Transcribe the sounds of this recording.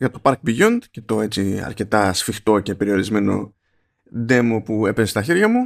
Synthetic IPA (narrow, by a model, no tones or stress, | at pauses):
ʝɐt̪o̞pɐɾk̚biʝund̪ce̞t̪o̞e̞t͡siɐ̰ɾce̞t̪ɐsfixt̪o̞ce̞pe̞ɾio̞ɾizme̞no̞̰ | ðe̞mo̞pue̞pezest̪ɐçiɾʝɐmu